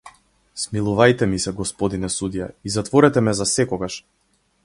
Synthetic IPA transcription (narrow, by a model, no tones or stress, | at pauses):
smilˠuvajt̪ɛmisɛɡɔspɔd̪inɛsud̪ijaizat̪vɔɾɛt̪ɛmɛzasɛkɔɡaʃ